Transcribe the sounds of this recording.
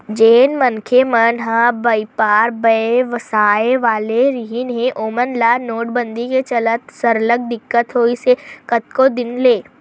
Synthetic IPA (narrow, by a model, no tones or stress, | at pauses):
d͡ʒeːnmənkʰemənɦãbɐipaːɾbəeʋɐsaːeʋaːleɾiɦinɦẽʔoːmənlaːnoːʈbə̃nd̪iket͡ʃɐlət̪sɐɾləɡ̚d̪ɪkːət̪ɦoːisekət̪kod̪ɪnleː